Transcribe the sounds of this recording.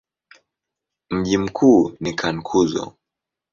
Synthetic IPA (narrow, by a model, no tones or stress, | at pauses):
m̩ʄim̩kʰuːnikʰankʰuzɔ̰